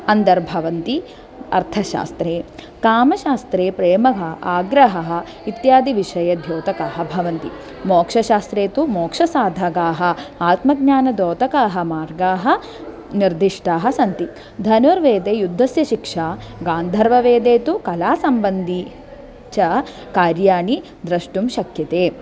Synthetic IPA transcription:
ɐnd̪ɐɾbʱɐʋɐnt̪i | ɐ̰ɾt̪ʰɐʃa̰ːst̪ɾeː | kaːmɐʃaːst̪ɾeːpɾeːmɐɦɐaːɡɾɐɦɐɦɐ̆ | it̪jaːd̪iʋiʂɐjɐd̪ʱjoːt̪ɐkaːɦɐ̆bʱɐʋɐnt̪ḭ | mɔːkʂɐʃaːst̪ɾeːt̪umɔːkʂɐsaːd̪ʱɐɡaːɦɐ̆aːt̪mɐɡɲaːnɐd̪ɔːt̪ɐkaːɦɐ̆maːɾɡaːɦɐ̆ | niɾd̪iʂʈaːɦɐ̆sɐnt̪i | d̪ʱɐnuɾʋeːd̪eːjud̪ʱːɐsjɐʃikʂaːɡaːnd̪ʱɐɾʋɐʋeːd̪eːt̪ukɐlaːsɐmbɐnd̪i | t͡ʃɐ | kaːɾjaːɳi | d̪ɾɐʂʈumʃɐkʰjɐt̪eː

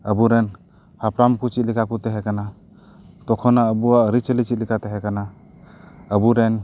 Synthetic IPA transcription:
əbuɾɛn | hapɾamkut͡ʃit̪̚likʰakut̪ɛɦɛkana | t̪ɔkʰɔnaəbuaʔɾit͡ʃəlit͡ʃit̪̚likʰat̪ɛɦɛkana | əbuɾɛn

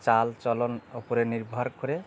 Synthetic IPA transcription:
t͡ʃalt͡ʃɔlɔnopɔɾeniɾbʱaɾkɔɾe

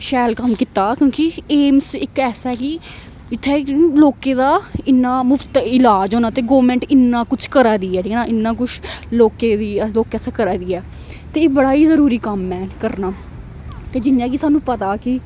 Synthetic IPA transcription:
ʃɛːlkəmkɪt̪aːkjõːkieːmsɪkɛːsaɛːkɪ | ɪt̪ʰːeːloːkeːd̪aːɪnːaːmʊft̪ɪlaːd͡ʒɦoːnaːt̪eːɡoːʋəmɛ̃ːɳʈɪnːãːkʊt͡ʃʰkəɾaːd̪iːɛːʈʰiːkɛːnaːʔɪnːãːk̬ʊt͡ʃʰloːkeːd̪iːloːkːɛːsaːkəɾaːd̪iːɛː | t̪eːeːbəɽaːiːzəɾuːɾiːkəmːɛ̃ːkəɾnaː | t̪eːd͡ʒɪnjãːkisaːnũːpət̪aːkɪ

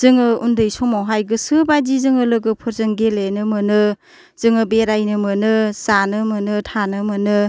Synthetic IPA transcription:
z̥ɯŋɯundɯjsɔmawɦajɡɯsɯbadizɯŋɯlɯɡɯpʰɯɾzɯŋɡelenɯmɯnɯ | z̥ɯŋɯbeɾajnɯmɯnɯsanɯmɯnɯtʰanɯmɯnɯ

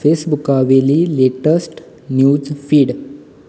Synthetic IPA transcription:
fesbukaʋeliːleʈəsʈ | njud͡zfiːɽ

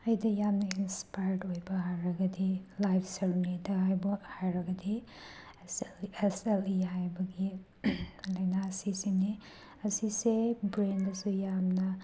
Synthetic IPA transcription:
ɐjdɐjamnɐinspajɾojbɐɦajɾɐɡɐdilajpʰsɐɾunidɐɦajbɐhajɾɐɡɐdi | sleselijabɐɡi | lɐjnaːsisini | ɐsisebɾendɐsujamnɐ

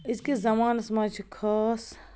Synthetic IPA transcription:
iskezɐmaːnsmɐt͡ʃʰkʰəs

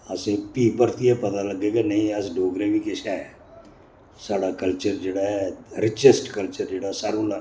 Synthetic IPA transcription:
ɐsepiːpəɾt̪ʰiɛpɐt̪alɐɡeːɡanɐɦĩɐsɖʱoːɡɾebʱikeʃaɛ | saːɽakɐlt͡ʃəɾd͡ʒeːɽaɦɛɾɪt͡ʃesʈkɐlt͡ʃəɾd͡ʒeːɽasaːɾula

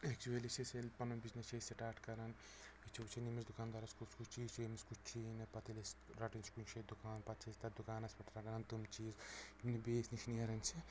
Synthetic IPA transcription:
ek̚t͡ʃuelisiselʲpɐnɐnbiznɐst͡ʃʰesiʈaːʈkɐɾɐn | it͡ʃʰiut͡ʃʰinimisd̪ukaːnd̪aːɾɐskuskut͡ʃt͡ʃʰiːzt͡ʃemiskut͡ʃt͡ʃʰinɐpɐt̪ʰilesɾɐʈinʲt͡ʃʰi̥kunt͡ʃʰed̪ukaːnpɐt̪̚t͡ʃʰisʲt̪ɐd̪ukaːnɐsʲpɐʈɾɐɡɐnɐnt̪umt͡ʃiːzimnibeːsniʃniɐɾɐnt͡ʃʰi

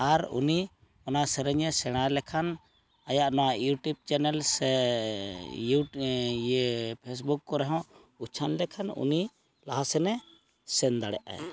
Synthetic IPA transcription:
aɾṵni | ɔnasɛɾɛɲɛsɛɽ̃alɛkʰan | ajaʔnɔwajuʈub̚t͡ʃɛnɛlsɛ | u | pʰes̬bukːɔɾɛɦɔ̃ | ut͡ʃʰanlɛkʰanṵni | laɦasɛnɛ | sɛnd̪aɽɛ̰ʔa̰j

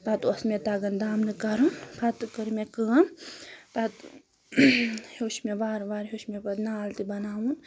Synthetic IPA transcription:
pat̪uɐsmet̪aɡɐnd̪aːmnɨkɐɾɨnpʰat̪kəɾmekɨːɐnt̪ɐt̪ | hoʃmeʋaːɾʋaːɾɦoːʃmepɐt̪naːlt̪ibɐnaːwun

